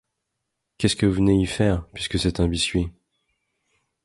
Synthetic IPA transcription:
kʲɛskəvuvəneifɛːʁpɥiskəsɛt̪ɛ̃bisɥe

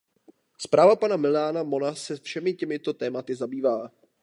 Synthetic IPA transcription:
spɾaːvapanamɪlaːnamo̞nasɛfʃɛmɪcɛmɪt̪o̞t̪ɛːmat̪ɪzabiːvaː

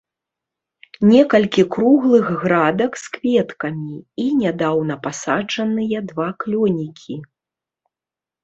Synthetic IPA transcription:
nʲɛkɐlʲkʲikɾuɣlˠɨɣɣɾad̪ɐkskvʲɛt̪kɐmʲiinʲad̪awnɐpasad͡ʐɐnɨjɐd̪vaklʲɔnʲikʲʰi

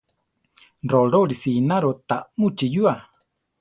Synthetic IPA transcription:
roɾoɾisinaɾot̪amut͡ʃijua

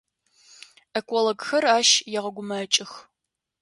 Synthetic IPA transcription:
ɐkʷʼɔloɡxɐraːʃjɛʁɐɡʷʊmɐt͡ʃʼɪx

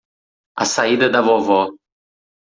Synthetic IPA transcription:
a̰said̪ɐd̪avɔvɔ

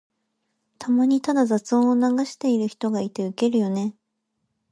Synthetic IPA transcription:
t̪ʰamaɲ̟it̪ad̪azat͡sɨõonaɡaɕi̥t̪e̞iɾɯ̟çi̥t̪o̞ɡait̪e̞ɯ̟ke̞ɾɯ̟jo̞ne̞

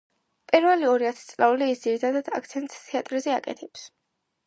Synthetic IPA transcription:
pʼiɾvɛliɔɾiat̪ʰɛ̥t̪sʼlauliːsd̪ziɾit̪ʰad̪ad̪̥akʰt̪sʰɛnt̪t̪ʰɛat̪ʼɾzɛa̰kʼɛ̰t̪ʰɛps

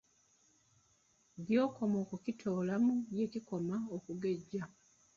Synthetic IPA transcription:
djo̞ːko̞moːkucitʰo̞ːlamuje̞cikomaokuɡe̞ɟːa

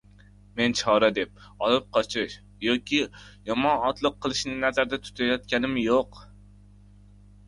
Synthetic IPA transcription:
ment͡ʃʰɒɾɛd̪ep̚ | ɒlˠɨp̚qʰɒt͡ʃʰɪʃ | jɑkʲijɒmɒnɒt̪lˠɨqʰːəlˠɨʃnɪnæzæɾd̪ɛt̪ʰʊ̥t̪ʰɛjɒt̪kʲɛnɪmjoq

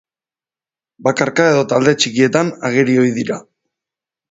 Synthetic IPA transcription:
bakaɾkae̞ðo̞t̪ald̪e̞t͡ʃikie̞t̪anaɣ̞eɾio̞iðiɾa

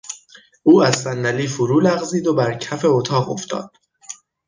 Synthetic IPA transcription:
uːæz̥sænːæliːfoɾuːlæɣziːd̪obæɾcʰæfe̞ot̪ʰɒːʁo̰ft̪ɒ̰ːd̪̥̚

